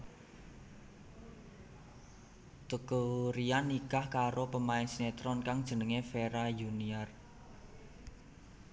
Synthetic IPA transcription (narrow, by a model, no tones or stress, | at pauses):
t̪əkuɾianːikahkaɾopəmaɪnsnet̪ɾɔnkaŋd̥ʒ̥ə̤nəŋefeɾajuniar